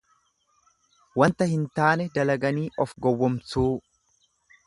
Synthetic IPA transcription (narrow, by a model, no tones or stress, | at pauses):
wɐnt̪ɐhɪnt̪aːnɛd̪ɐlɐɡɐniːʔɔfɡɔwːɔmsuː